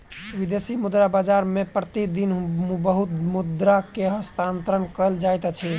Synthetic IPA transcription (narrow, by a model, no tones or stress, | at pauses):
ʋid̪esimud̪ɾabad͡ʒaɾmepɾət̪id̪inmbəɦut̪mud̪ɾakeɦəst̪ʰant̪ɾənkəld͡ʒajt̪t͡ʃʰɛ